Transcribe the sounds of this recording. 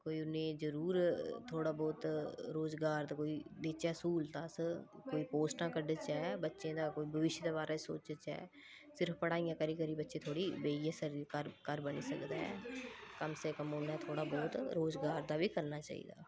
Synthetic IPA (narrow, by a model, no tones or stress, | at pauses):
koːiːʊnẽːzəɾuːɾt̪ʰoːɽaːbɔːt̪ɾoːzɡaːɾd̪aːkoːiːd̪eːt͡ʃaːsuːlt̪aːskoːiːpoːsʈãːkəɖət͡ʃɛːbətːʃẽːd̪aːkoːiːbəʋɪʃjd̪eːbaːɾaːso̰ːt͡ʃət͡ʃɛ̰ː | sɪɾəpʰpəɽaːijãːkəɾiːkəɾiːbətːʃẽːt̪ʰoːɽiːbeːijãːsəɾkəɾkəɾbənḭːsəkd̪aːɛ̰ːkəmseːkəmõːnaɛːt̪ʰoːɽaːbɔːt̪ɾoːzɡaːɾd̪aːʋiːkəɾnaːt͡ʃa̰ːḭːd̪a̰ː